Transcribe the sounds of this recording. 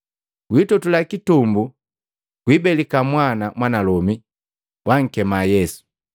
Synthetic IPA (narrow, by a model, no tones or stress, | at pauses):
kwitɔtulakitumbu | kwibɛlikamwanamwanalɔmi | wʔaŋ̩kɛmajɛsu̥